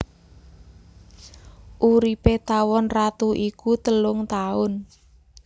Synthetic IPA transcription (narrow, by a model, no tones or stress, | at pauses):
ʔuɾipet̪awɔnrat̪uʔikut̪əlʊŋt̪aʊn